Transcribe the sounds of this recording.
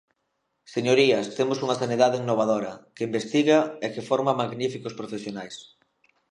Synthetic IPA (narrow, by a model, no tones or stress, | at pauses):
seɲoɾiɐst̪emosuŋɐsaniðaðɪiŋnoβ̞að̞oɾɐkeimbest̪iɣɐekefoɾmamaɣnifikospɾofesjonajs